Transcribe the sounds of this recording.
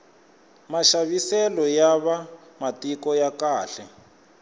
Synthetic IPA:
maʃaβisɛlɔjaβa | matikɔjakaːɬɛ

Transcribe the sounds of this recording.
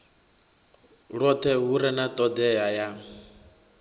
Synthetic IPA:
ɺɔt̪ʰɛɦuɾɛnat̪ʼɔd̪ɛjaja

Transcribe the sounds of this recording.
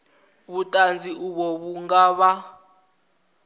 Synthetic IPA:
βutʼand͡zʱiuβɔβuŋɡaːβa

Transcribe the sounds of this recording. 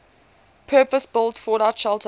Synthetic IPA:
pʰɜːpəsb̥ɪlˠtfɔːɾaʊtʃɛlˠtʰ

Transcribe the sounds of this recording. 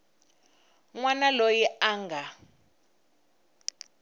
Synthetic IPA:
ŋwanalojiʔaːŋɡʱa

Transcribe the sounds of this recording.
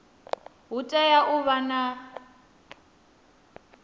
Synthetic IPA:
ɦutʼɛjaʔʊβana

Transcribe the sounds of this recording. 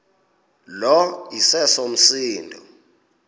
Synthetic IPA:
lɔisɛsom̩siːndʱɔ

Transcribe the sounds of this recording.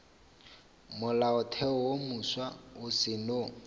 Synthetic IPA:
mʊlaʊtʰɛɔwomuswaʊsɪno

